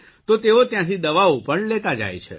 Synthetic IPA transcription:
t̪ot̪eot̪jãt̪ʰid̪əʋaopəɳlet̪ad͡ʒa̰jt͡ʃʰḛ

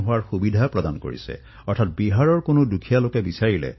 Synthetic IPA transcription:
ɦʊwaɹxubidʱapɹɔdanko̰ɹḭsɛ̰ | ɔɹtʰat̚biɦaɹɔɹkonodukʰijalokɛbisaɹilɛ̰

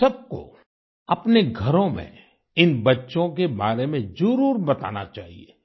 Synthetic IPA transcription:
sɐb̚ko̰ | ɐpneɡʱɐɾõmḛ̃ | ɪnbɐtːʃõk̬ebaːɾemẽzʊɾuːɾbɐt̪a̰ːna̰t͡ʃaːɦieː

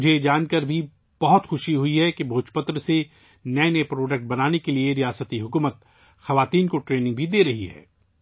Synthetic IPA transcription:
ʊd͡ʒʱed͡ʒaːnkəɾbʱi | b̥ɐɦʊt̪xʊʃiɦʊiɦɛkibʱoːt͡ʃpət̪ɾəse | nɛːnepɾoːɖək̚ʈ̚bɐnaːnekelieɾijaːsət̪iɦʊkuːmət̪̚ | xɐʋaːt̪iːnkoʈɾeːnɪ̃ŋɡ̚bʱid̪eːɾɐɦiɦɛ̰ː

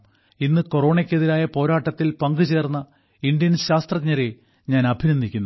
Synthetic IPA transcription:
inːɨko̞ro̞ːɳekʲːeðiɾaːjɐpo̞ːɾaːʈːɐt̪ːilpɐŋɡɨt͡ɕe̞ːrnːɐ | indjɐnɕaːst̪rɐkɲɐɾe̞ | ɲaːnɐbʱinɐnd̪ikʲːunːu

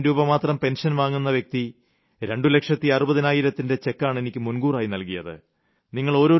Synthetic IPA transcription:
ɾuːbɐmaːt̪rɐmpe̞nʂɐnʋaːŋːunːɐʋjek̚t̪i | ɾe̞ɳɖule̞kʂɐt̪ːiɐrubɐðinaːjiɾɐt̪ːinde̞t͡ɕe̞kːaːɳe̞nikʲːɨmunɡuːraːjinɐlkijɐðɨ̰ | niŋːɐɭo̞ːɾo̞ː

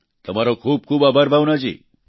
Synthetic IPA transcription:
t̪əmaɾokʰuːb̚kʰuːbabʱaɾbʱawnad͡ʒḭ

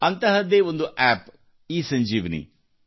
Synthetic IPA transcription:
ɐnt̪ɐɦɐd̪eːond̪uʔæːp | iːsɐɲd͡ʒiːʋɐnḭ

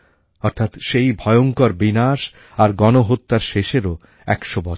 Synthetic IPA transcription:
ɔɾt̪ʰat̪ʃejbʱɔjoŋkɔɾbinaʃ | aɾɡɔnoɦot̪ːaɾʃeʃeɾo | ɛ̰kʃobɔt͡ɕ

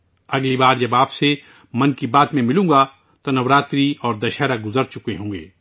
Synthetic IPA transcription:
ɐɡlibaːɾd͡ʒɐbaːpse | mɐnkibaːt̪mẽmɪlũːɡa | t̪onɐʋɾaːt̪ɾiɔːɾd̪ɐʃaːɾaɡʊzəɾt͡ʃʊkeɦõːŋɡḛː

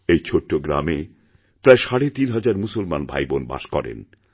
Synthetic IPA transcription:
ejt͡ɕʰoʈːoɡɾa̰me | pɾaeʃaɽet̪inɦad͡ʑaɾmusolmanbʱa̰jbonba̰ʃkɔɾḛn

